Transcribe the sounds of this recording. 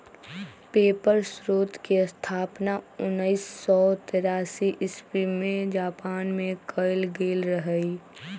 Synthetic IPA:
peːpəɾsɾoːt̪keəst̪ʰaːpnaʊnːəɪsːɔt̪eɾaːsiʔɪspimẽd͡ʒaːpaːnmẽkʰəɪlɡeːlɾəɦəi

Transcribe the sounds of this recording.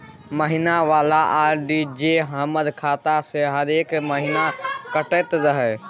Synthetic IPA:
məɦinaʋaːlaʔaːɾɖid͡ʑeːɦɐməd̪kʰaːt̪aseɦɐd̪eːkmɐɦinakɐʈet̪zɐɦə

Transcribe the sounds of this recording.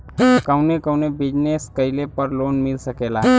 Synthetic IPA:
kəwnekəwnebid͡ʑneskəjlepəɾlonmilsəkela

